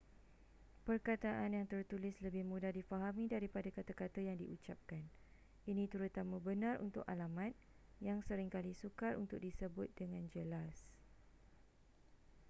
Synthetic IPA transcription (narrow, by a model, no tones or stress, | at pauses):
pərkat̪aʔanjaŋt̪ərt̪ulɪsləbɪhmũdahdifaɦamĩdaɾipadakat̪akat̪ajaŋdiʔut͡ʃap̚kan | inĩt̪əɾut̪amãbənãrṵnt̪ʊkalamãt̪̚ | jaŋsəɾɪŋkalisukarṵnt̪ʊk̚disəbʊt̪̚dəŋãnd͡ʒəlas